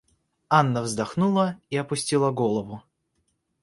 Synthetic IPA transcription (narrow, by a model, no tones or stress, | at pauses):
anːəvzd̪ɐxnulˠəiɐpʊsʲtʲilˠəɡolˠəvʊ